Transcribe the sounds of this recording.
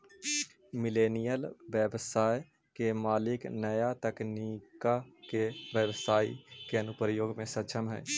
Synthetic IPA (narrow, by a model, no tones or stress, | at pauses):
mɪleːnijəlʋjəbsaːj | kemaːlɪknəjat̪ɛkniːkakeʋjəʋsaːḭkeɐnʊpɾjoːɡmẽsət͡ʃʰəmɦɛ̰ː